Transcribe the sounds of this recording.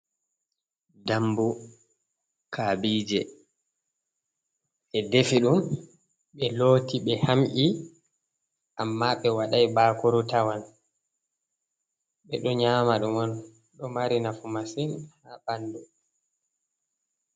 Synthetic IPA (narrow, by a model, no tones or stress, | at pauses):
dambu | kʰaːbiːd͡ʒɛ | ʔɛdefiɗum | ɓɛloːtiɓɛhamʔi | ʔamːaɓɛwaɗajbaːkɔɾɔtawan | ɓɛɗɔɲaːmaɗumɔn | ɗɔmaɾinafumasinhaɓandɔ